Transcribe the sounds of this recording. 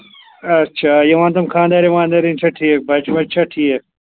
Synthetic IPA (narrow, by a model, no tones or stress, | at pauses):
ɐt͡ʃʰajɐwãːnt̪ɐmkʰãːnd̪ɐɾiʋãːnd̪ɐɾint͡ʃʰɐʈʰiek̚bɐt͡ʃmɐt͡ʃʰɐʈʰiek